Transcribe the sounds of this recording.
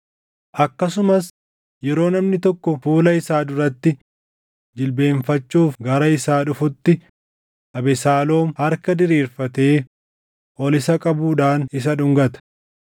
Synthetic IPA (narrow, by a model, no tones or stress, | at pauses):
ʔɐkːɐsʊmɐs | jɛɾo̞ːnɐmnɪt̪ɔkːɔfuːlɐɪsaːd̪ʊɾɐt̪ːɪ | d͡ʒɪlbe̞ːɱfɐt͡ʃːuːfɡɐɾɐɪsaːᶑʊfʊt̪ːɪ | ʔɐbɛsaːlo̞ːmhɐɾkɐd̪ɪɾiːɾfɐt̪e̞ː | ʔɔlɪsɐkʼɐbuːᶑaːnɪs̬ɐᶑʊŋɡɐt̪ɐ̥